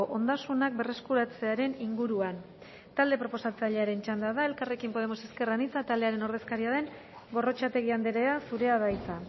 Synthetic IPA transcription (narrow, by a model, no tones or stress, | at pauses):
oʔo̞nd̪asunak̚be̞re̞skuɾat͡se̞aɾe̞niŋɡuɾuan | t̪ald̪e̞pɾo̞po̞sat͡saʎe̞aɾe̞nt͡ʃand̪aðae̞lkare̞kimpo̞ð̞e̞mo̞se̞ske̞ranit͡sat̪ald̪e̞aɾe̞no̞ɾðe̞skaɾiaðe̞ŋ | ɡo̞ro̞t͡ʃat̪e̞ɣiand̪eɾe̞asuɾe̞aðajt͡sa